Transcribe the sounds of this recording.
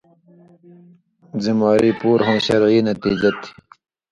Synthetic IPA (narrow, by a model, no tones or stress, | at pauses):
zimaːɾipuːɾɦõːɕɐɾʕiːnɐt̪iːd͡ʑɐt̪ʰi̥